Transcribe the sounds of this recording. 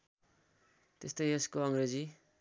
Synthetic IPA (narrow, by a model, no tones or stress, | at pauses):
t̪est̪ʌjʌskoʌŋred͡zi